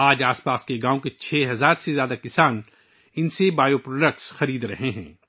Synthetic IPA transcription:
aːd͡ʒaːspaːskeɡaːõket͡ʃʰɛːɦɐzaːɾsezjaːd̪akɪsaːn | ɪnsebaːjopɾoːɖək̚ʈsxɐɾiːd̪ɾɐɦeɦɛ̰̃ː

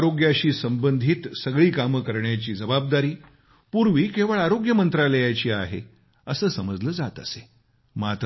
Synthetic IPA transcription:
ɾoɡjaɕiːsəmbənd̪ʱiːt̪səɡɭiːkaməkəɾɳjat͡ɕiːd͡zəbab̚d̪aɾiː | puɾʋiːkeʋəɭaɾoɡjəmənt̪ɾaləjat͡ɕiːa̰ɦḛ | əsəːsəməd͡zləːd͡zat̪əse̥ | mat̪

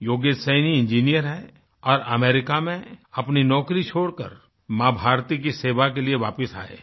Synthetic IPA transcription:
joːɡeːsəniɪ̃nd͡ʒiːnijəɾɦɛ | ɔːɾɐmeːɾɪkamẽɐpninɔːkɾit͡ʃʰoːɽkə̰ɾ | mãːbʱaːɾt̪ik̬iseːʋakelieʋaːpɪsa̰ːḛː

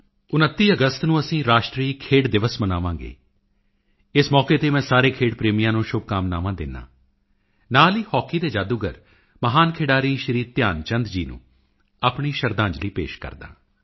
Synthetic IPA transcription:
ʊnət̪ːiːəɡəst̪nũːəsĩːɾaːʃʈɾiːkʰeːɽd̪ɪʋəsmənaːʋãːɡḛː | ɪsmɔːkeːt̪eːmɛ̃ːsaːɾeːkʰeːɽpɾeːmɪjãːnũːʃʊb̚kaːmna̰ːʋãːd̪ɪnːã̰ː | naːliːhɔːkiːd̪eːd͡ʒaːd̪uːɡə̰ɾ | məɦaːnkʰeːɖaːɾiːʃəɾiːt̪jaːnt͡ʃənd̪d͡ʒiːnṵ̃ː | aːpɳiːʃəɾd̪ãːɲd͡ʒliːpḛːʃkə̰ɾd̪ã̰ː

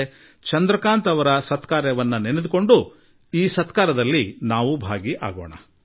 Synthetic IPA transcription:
t͡ʃɐnd̪ɾɐkaːnt̪ɐʋɐɾɐsɐt̪kaːɾjɐʋɐnːɐnened̪uko̞ɳɖu | iːsɐt̪kaːɾɐd̪ɐlːinaːʋubʱaːɡiʔa̰ːɡo̰ːɳɐ̰

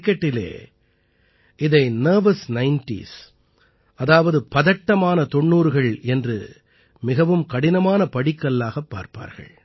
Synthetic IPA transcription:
kːɐʈːɪlḛː | ʔɪðɐɪnɐːʋɐsnɐɪnʈḭs | ɐðaːʋɐðɯpɐðɐʈːɐmaːnɐt̪ɔɳːuːɾɣɐɭɛndrɯ̰ | mɪɣɐʋɯmkɐɽɪnɐmaːnɐpɐɽɪkːɐlːaːɣɐpːa̰ːɾpa̰ːɾɣɐ̰ɭ

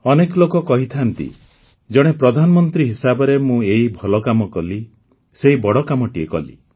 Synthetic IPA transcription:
ɔnekɔlokɔkɔɦit̪ʰant̪ḭ | d͡ʒɔɽ̃epɾɔd̪ʱanɔmɔnt̪ɾiɦisabɔɾemũeɦibʱɔlɔkamɔkɔli | seɦibɔɽɔkamɔʈiekɔlḭ

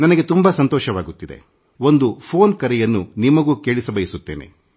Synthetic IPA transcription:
nɐnɐɡe̞t̪umbɐsɐnt̪ɔːʃɐʋaːɡut̪ːid̪e̞̰ | o̞nd̪upʰo̞ːnkɐɾɛjɐnːunimɐɡuːke̞ːɭisɐbɐjisut̪ːeːnḛ

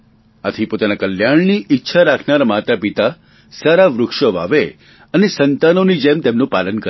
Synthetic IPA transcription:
a̰t̪ʰipot̪anakəljaɳniʔitːʃʰaɾakʰnaɾamat̪apit̪a | saɾaʋɾʊkʂəʋa̰ʋe | ənesənt̪anonid͡ʒemt̪emnũpalənkə

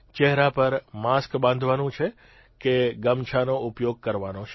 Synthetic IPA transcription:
t͡ʃɛɦɾapəɾmaskbãnd̪ʱʋanũt͡ʃʰe | keɡəmt͡ʃʰanoʊpjoɡ̚kəɾʋanot͡ʃʰ

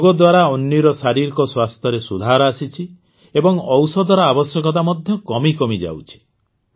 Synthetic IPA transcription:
ɡɔd̪waɾaɔnːiɾɔsaɾiɾkɔswast̪ʰjɔɾesud̪ʱaɾɔasit͡ʃʰi | ebɔŋɔwsɔd̪ɔɾɔabɔsjɔkɔt̪̬amɔd̪ʱjɔkɔmikɔmid͡ʒa̰wt͡ʃʰi̥

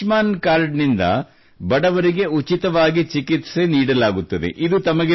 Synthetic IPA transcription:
maːnkaːɾɖnind̪ɐ̰ | bɐɽɐʋɐɾiɡe̞ut͡ʃit̪ɐʋaːɡit͡ʃikit̪se̞niːɽɐlaːɡut̪ːɐd̪ḛʔid̪ut̪ɐmɐɡe

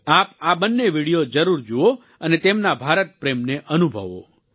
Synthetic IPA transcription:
apabənːeʋiɽijod͡ʒəɾuɾd͡ʒuo | ənet̪emnabʱaɾət̪̚pɾemneʔənubʱə̰ʋo̰

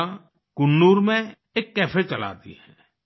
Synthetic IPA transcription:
kʊnːuːɾmẽ | eːkːɛːpʰet͡ʃəla̰ːt̪ḭɦɛː

